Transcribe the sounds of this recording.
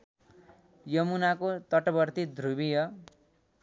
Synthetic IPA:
jʌmunakot̪ʌʈʌbʌrt̪id̪ʱrubijʌ

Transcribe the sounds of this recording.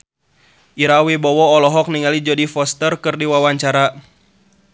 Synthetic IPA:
ʔiɾawibɔwɔːlɔɦɔk̚niŋalid͡ʒɔdifɔst̪ərkɨrdiwawaɲt͡ʃaɾa

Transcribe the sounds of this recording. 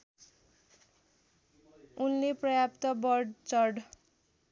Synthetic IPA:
unːeprʌjapt̪ʌbʌrɖt͡sʌrɖ

